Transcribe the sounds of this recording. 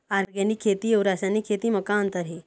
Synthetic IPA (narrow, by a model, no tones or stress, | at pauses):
aɾɡaniːkʰːet̪iːeɾaɕanikʰet̪iːməkãnt̪əɾɦe